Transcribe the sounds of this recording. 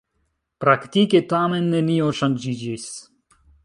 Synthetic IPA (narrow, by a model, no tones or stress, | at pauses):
pɾakt̪iket̪amenːenioʃand͡ʒid͡ʒis